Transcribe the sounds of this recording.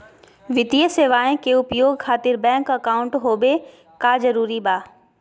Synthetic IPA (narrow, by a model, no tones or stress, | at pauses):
ʋɪt̪ijəseːʋaːẽkeʊpjoːɡkʰaːt̪ɪɾbɛ̃ːŋkɐkaːʊ̃ɳʈɦoːbe | kaːzɐɾuːɾibaː